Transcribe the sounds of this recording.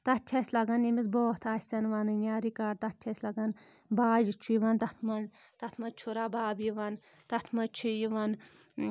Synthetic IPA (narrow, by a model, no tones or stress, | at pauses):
t̪ɐt͡ʃʲʰɐsʲlɐɡɐnimis̬boːht̪ʰaːsʲɐnʋanɨnʲaːɾikaɾt̪ɐt͡ʃʲʰɐsʲlɐɡɐn | baːʒit͡ʃʰujiʋɐnt̪ɐt̪ʰmɐn | t̪ɐt̪ʰmɐt͡ʃʰuɾabaːbjiʋɐn | t̪ɐt̪ʰmɐt͡ʃʰijiʋɐn